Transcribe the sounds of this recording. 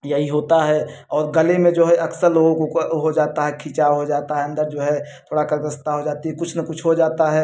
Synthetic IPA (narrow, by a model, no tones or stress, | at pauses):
jəɦiɦoːt̪aɦɛ | ɔːɾɡəlemẽd͡ʒoːɦɛʔɐksəɾloːɡõkoɦod͡ʒaːt̪aɦɛkʰiːt͡ʃaɦod͡ʒaːt̪aɦɛə̃nd̪əɾd͡ʒoːɦɛt̪ʰoːɽakəɾkəst̪aɦod͡ʒaːt̪iɦɛkʊt͡ʃʰnəkʊt͡ʃʰɦod͡ʒaːt̪aɦɛː